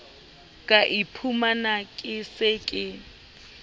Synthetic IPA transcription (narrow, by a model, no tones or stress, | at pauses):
kʼaʔipʰumanakʼɪsɪkʼɪ